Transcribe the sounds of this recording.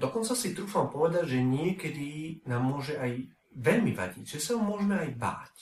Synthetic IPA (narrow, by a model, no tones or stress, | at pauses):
d̪ɔkɔnt͡sasit̪ɾuːfampɔʋɛd̪aɟʒɛɲɪɛkɛd̪inaːmːʊɔʒɛaj | ʋɛʎmiʋa̰ɟḭɟʒɛsaɦɔmʊɔʒɛmɛajba̰ːc